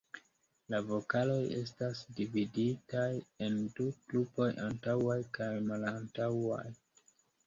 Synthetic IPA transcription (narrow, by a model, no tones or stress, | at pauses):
lavo̞kalo̞je̞̰s̬tasdividitaje̞nduklupo̞jʔantawajkajmalantawa̰j